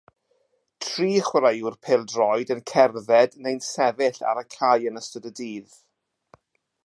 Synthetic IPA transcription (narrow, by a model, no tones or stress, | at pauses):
tʰriːχwəɾajurpʰeːlˠdrɔjdənkʰɛrðɛdnejnsɛvɪɬa̰ɾəkʰajənəstədədiːð